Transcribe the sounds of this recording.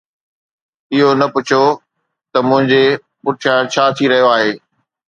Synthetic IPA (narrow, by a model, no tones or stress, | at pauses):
ɪɦonɐpʊt͡ɕʰo | t̪ɐmʊ̃ɦɪ̃ɲd͡ʑe | pʊɾʈʰãt͡ɕʰaːt̪ʰiɾɐɦijoaːɦeː